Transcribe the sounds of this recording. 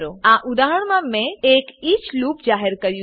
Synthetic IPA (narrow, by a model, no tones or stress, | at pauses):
ɾoãʔud̪aːɦəɽmamẽeːkit͡ʃluːpd͡ʒaːɦəɾkəɾju